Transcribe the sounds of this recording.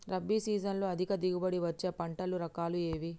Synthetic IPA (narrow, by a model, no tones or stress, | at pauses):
ɾɐbːiːsiːd͡ʒɐnloːɐd̪ʱikɐd̪iɡubɐɽiʋɐt͡ʃːeːpɐɳʈɐluɾɐkaːlueːʋi